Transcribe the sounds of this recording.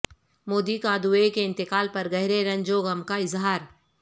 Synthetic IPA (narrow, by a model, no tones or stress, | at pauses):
moːd̪ikãːd̪ueːkeɪ̃nt̪ɪkaːlpɐɾɡɐɦɾeɾɐ̃ɲd͡ʒoɡɐmkaɪzɦaːɾ